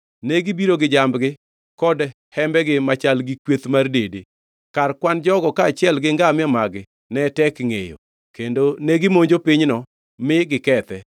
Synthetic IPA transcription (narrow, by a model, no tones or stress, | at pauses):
nɛɡɪbiɾoɡɪd͡ʒambɡɪ | kɔd | hɛmbɛɡɪmat͡ʃalɡɪkwet̪mardede | karkwand͡ʒɔɡɔkaːt͡ʃɪɛlɡɪŋɡamɪɛmaɡɪ | nɛtɛkŋejo̰ | kendoneɡɪmoɲd͡ʒopɪɲnɔ | mɪɡɪkɛt̪ɛ